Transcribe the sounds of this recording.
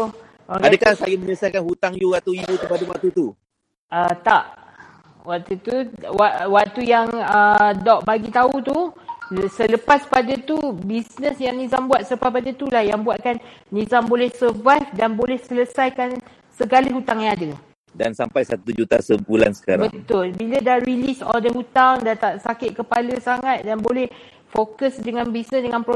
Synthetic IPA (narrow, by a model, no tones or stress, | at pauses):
ʔokadəkahsajiməɲələsajkanhut̪aŋjuwat̪uibut̪əpadawak̚t̪ut̪u | ət̪aʔ | waʔ̚t̪ut̪uwaʔwaʔ̚t̪ujaŋədɔʔbaɡit̪aut̪u | sələpaspadət̪ubisnəsjaŋnizambuat̪̚sələpaspadət̪ulahjaŋbuaʔ̪̚kanːĩzambolɛhsəvajfdanbolɛhsələsajkan | səɡaləɦut̪aŋjaŋadə | dansampajsat̪ud͡ʒut̪a̰səbula̰nsə̥kaɾabət̪ʊlbilədaɾilisɔ̰ldəhut̪aŋdat̪aʔsakɪt̪̚kəpaləsaŋat̪̚danbolɛh | fokəsdəŋãnbisnəsdəŋãnpɾo